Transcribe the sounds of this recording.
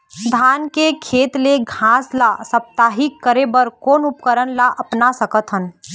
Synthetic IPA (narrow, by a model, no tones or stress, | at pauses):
d̪ʱaːnkekʰeːt̪leɡʱãːslasəp̚t̪aɦikəɾebəɾkoːnʊpkəɾənlaʔɐpnasəkət̪ɦən